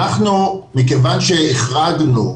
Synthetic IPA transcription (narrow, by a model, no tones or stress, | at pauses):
aχnumikevanʃeeχʁaɡnu